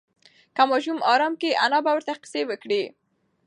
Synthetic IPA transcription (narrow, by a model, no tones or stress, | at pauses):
kamɑʒumɑɾɑmkeʔanɑbawəɾt̪aqɪ̥sewəkɽe